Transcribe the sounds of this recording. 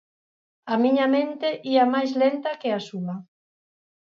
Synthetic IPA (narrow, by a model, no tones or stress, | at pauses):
ɐmiɲamẽnt̪eʔiamajzlent̪ɐkeasuɐ